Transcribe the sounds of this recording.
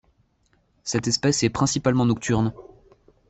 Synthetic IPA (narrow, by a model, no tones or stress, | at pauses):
sɛt̪ɛspɛsɛpχɛ̃sipalmɑ̃nɔk̚t̪yʁn